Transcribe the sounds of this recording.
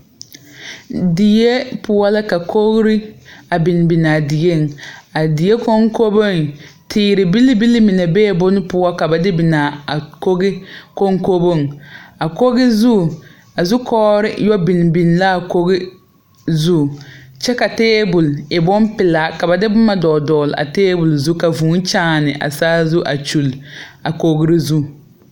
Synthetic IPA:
di˨je˦pʊ˦wɔ˦la˦ka˨kʰo˦ɣɾɪ˦a˨bi˨n˨bi˨na˨di˨je˦˨ŋ˨a˨di˨je˦ko˦ŋko˦bo˦˨ŋtʰiː˨ɾɪ˨bi˦li˦bi˦li˦mi˨nɛ˨beː˦˨bʊ˦nɪ˦pʊ˦wɔ˦ka˨ba˨dɪ˦bi˨na˨a˨ko˦ɡɪ˦ko˦ŋko˦bo˦˨ŋa˨ko˦ɣɪ˦zu˦˨ | a˨zʊ˦kʰɔː˦ɾɪ˦jɔ˦bi˨n˨bi˨n˨la˦˨ko˦ɣɪ˦ | zu˦˨t͡ʃɛ˦ka˨teː˦bʊ˨lɪ˨bɔ˦mpɪ˨la˨˦ka˨ba˨dɪ˦bʊ˦ma˦dɔː˨dɔː˨lɪ˨a̰˨teː˦bʊ˨lzu˦ka˨vuː˨˦n˦t͡ʃaː˦˨nɪ˨ʔa̰˨saː˦zu˦ʔa˨t͡ʃu˨la˨ko˨ɣɪ˦ɾɪ˦zu˦˨

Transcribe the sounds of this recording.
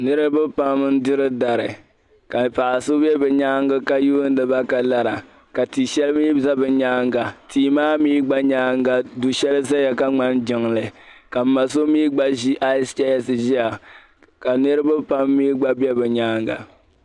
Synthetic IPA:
nɨ˦ɾɨ˦bɛ˦pa˦m˦n˦dɪ˦ɾɨ˦da˨ɾɨ˨ | ka˨pa˨ʔa˨sʊ˦bɛ˦bɛ˨ɲa˦ŋɡɨ˦ka˦ju˦n̩˦lɨ˨ba˦ka˨la˨ɾa˨ | ka˨ti˨ʃɛ˦lɨ˦miː˦bza˦bɨ˨ɲaː˦ŋɡa˨tʰiː˨maː˦miː˦ɡ͡ba˦ɲaː˦ŋɡa˨du˨ʃɛ˦lɨ˦za˦ja˨ka˦ŋ͡ma˦n˦d͡ʒɪ˨ŋlɨ˨ka˨m̩˨˦ma˨s̬o˦miː˦ɡ͡ba˦ʒi˦ʔa˦st͡ʃɛ˦ja˦sɨ˨ʒi˦a˨ | ka˨nɨ˦ɾɨ˦bɨ˦pa˦mːiː˦ɡ͡ba˦bɛ˦bɛ˨ɲaː˦ŋɡa̰˨

